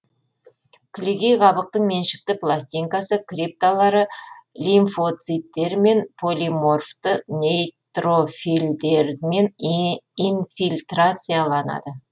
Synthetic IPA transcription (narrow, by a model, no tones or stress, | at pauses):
kʲʰlʲiɡʲejʁɑβəq̚t̪əɴmenʃɪ̥k̚t̪ɪplˠasʲt̪ʲijŋkasəkʲrʲip̚t̪alˠɑɾəlʲinfo̞t̪sɨt̪ːe̞ɾme̞npʰo̞lʲimo̞rft̪ənʲejt̪ro̞fild̪eɾme̞n | infilʲt̪rat̪sɨjalˠɑnɑ̰d̪ə